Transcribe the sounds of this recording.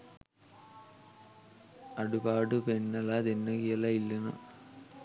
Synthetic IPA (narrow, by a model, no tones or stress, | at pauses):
ɐɽubaːɽɯpenːɐlad̪enːɐkijɐlɐilːɐnɐ̰